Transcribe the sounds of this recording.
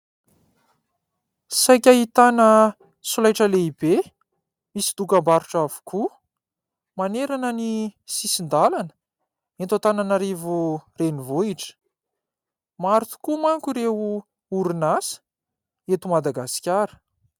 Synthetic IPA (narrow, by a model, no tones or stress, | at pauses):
sajkʲaɦit̪anə | sulajʈ͡ʂəleibe | misid̪ukəmbaɾuʈ͡ʂavu̥kʰu | maneɾanənisisind̪alanə̥ | ent̪ot̪ananaɾivurenivoiʈ͡ʂə̥ | maɾut̪u̥kumaŋkuɾeu | uɾunasə̥ | et̪umad̪aɡasi̥kʲaɾə̥